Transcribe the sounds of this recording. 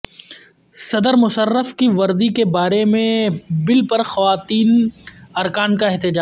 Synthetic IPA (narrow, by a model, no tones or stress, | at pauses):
sɐd̪əɾmʊsəɾːəfkiʋɐɾd̪ikebaːɾemẽbɪlpɐɾxɐʋaːt̪iːnɐɾkaːnkaɪɦt̪ɪd͡ʒaː